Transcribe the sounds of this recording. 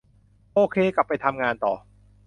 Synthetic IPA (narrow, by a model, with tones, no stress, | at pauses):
ʔoː˧kʰeː˧ka˨˩pːa˧jt̪ʰa˧mŋaː˧nt̪ɔ̰ː˨˩